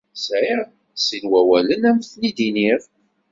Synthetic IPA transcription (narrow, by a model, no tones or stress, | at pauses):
sʕiɾ | sinwæwælənæmθnid̪iniɾ